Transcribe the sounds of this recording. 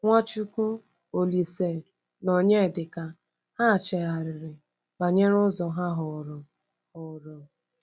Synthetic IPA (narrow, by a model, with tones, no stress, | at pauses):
ŋʷa˦t͡ʃu˦ku˦ | o˨li˨se˨ | nɔ˨ɲe˦˨dɪ˨ka˨ | ha˦˨t͡ʃe˨a˨ɾɪ˨ɾɪ˨ | ba˨ɲe˦ɾʊ˦zɔ˨ɦa˦ɦʊ˨ɾɔ˨ | ʊ˨ɾɔ˨